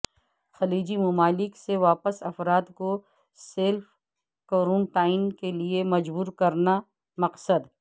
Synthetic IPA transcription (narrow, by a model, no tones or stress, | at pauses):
xɐliːd͡ʒimʊmaːlɪkseʋaːpəsɐfɾaːt̪ko | seːlf | koːɾõːɳʈaːɪnkeliemɐd͡ʒbuːɾkɐɾna | mɐqsəd̪